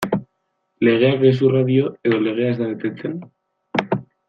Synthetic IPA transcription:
leɣeakes̬uraðjoeðoleɣ̞easðaðet̪et̪en

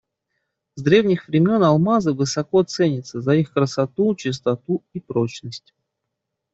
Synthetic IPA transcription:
zd̪ɾʲe̞vnʲɪxvɾʲɪmʲo̞nɐlˠmazəvɨsɐko̞t̪sɛnʲɪt̪səzɐixkɾəsɐt̪ut͡ɕɪst̪ɐt̪uipɾo̞t͡ɕnəsʲtʲ

